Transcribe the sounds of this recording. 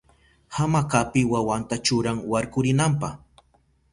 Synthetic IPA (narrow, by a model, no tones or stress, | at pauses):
hamakapɪwawant̪at͡ʃʊɾaŋwaɾkʊɾɪnampaχ